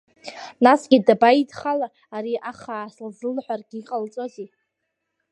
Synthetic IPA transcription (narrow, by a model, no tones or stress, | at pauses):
nasɡʲidabaidχalaː | ɾiʔaχaːslzɨlħʷᶣarɡʲiiqʼalt͡sʼozi